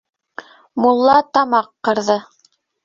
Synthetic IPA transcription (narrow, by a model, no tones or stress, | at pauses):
mulˠːɑt̪ɑmɑqːɤ̆ɾðɤ